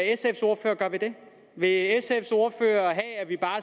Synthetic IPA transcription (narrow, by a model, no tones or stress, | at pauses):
esefso̝ɐfø̰ːɐɡ̥ɶɐʋed̥e̝ | ʋe̝esefso̝ːɐfø̰ːɐɦɛæɐʋib̥ɑ̈ː